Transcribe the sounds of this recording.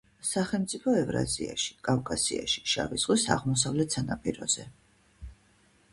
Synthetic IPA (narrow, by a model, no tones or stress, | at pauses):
saχɛlˠmt̪sʼipʰɔɛvɾa̰ziaʃi̥kʼavkʼasiaʃi̥ʃa̰viz̥ʁwisaʁmɔs̬avlɛt̪ʰsanapʼiɾɔz̥ɛ